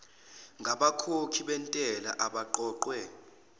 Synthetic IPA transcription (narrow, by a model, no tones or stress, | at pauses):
ŋɡʱaɓakʰokʰiɓɛntʼɛla̰ʔaɓaǃɔːǃwɛ